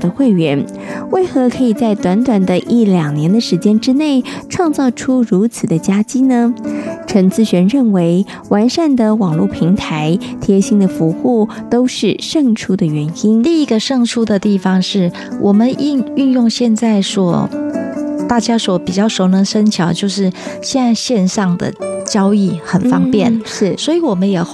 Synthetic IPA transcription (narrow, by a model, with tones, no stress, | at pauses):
d̪ə˧xwe˥˩ɪɥɛ˧˥n | we˥˩ɪxɤ˧˥kʰɤ˧˥i˨˩t͡sa˥˩ɪt̪wa˧˥nt̪wa˨˩nd̪ə˦ʔi˥˩ljɑ˨˩ŋnjɛ˧˥nd̪ə˨ʂɻ̩˧˥t͡ɕjɛ˥nʈ͡ʂɻ̩˥ne˥˩ɪʈ͡ʂʰwɑ˥˧ŋt͡sɑ˥˩ʊʈ͡ʂʰu˥ɻu˧˥t͡sʰɹ̩˨˩d̪ə˦t͡ɕja˥t͡ɕi˥nə˧ʈ͡ʂʰə˧˥ŋt͡sɹ̩˥˧ɕɥɛ˧˥nɻə˥˩nwe˧˥ɪ | wa˧˥nʂa˥˩nd̪ə˩wɑ˨˩ŋlu˥˩pʰi˧˥ŋt̪ʰa˧˥ɪt̪ʰjɛ˧˥ɕi˥ŋd̪ə˨fu˧˥xu˥˩ | t̪o˥ʊʂɻ̩˥˩ʂɤ˥˧˩ŋʈ͡ʂʰu˥d̪ə˨ɥɛ˧˥ni˥ni˥˧i˧˥ɡə˧ʂɤ˥˧ŋʈ͡ʂʰu˥d̪ə˨t̪i˥˩fɑ˩ŋʂɻ̩˥˩ | wʔɔ˨˩mə˦nʔi˥˧ny˥˧njʊ˥˧ŋɕjɛ˥˧nt͡sa˥˩ɪʂwɔ̰˨˥ | t̪a˥˩t͡ɕja˥swɔ˧˥pi˨˩t͡ɕjɑ˥˩ʊʂo˧˥ʊnɤ˧˥ŋʂə˥nt͡ɕʰjɑ˨˦ʊt͡ɕjo˥˧ʊʂɻ̩˥˩ɕɛ˥˧na˥˧ɪɕjɛ˥˧nʂɑ˥˩ŋd̪ə̰˨˩t͡ɕjɑ˥ʊi˥˩xə˨˩nfɑ˥ŋpjɛ˥˩nʂɻ̩˥˩swɔ˧˥i˧˥wɔ˨˩mə˦njɛ˨˩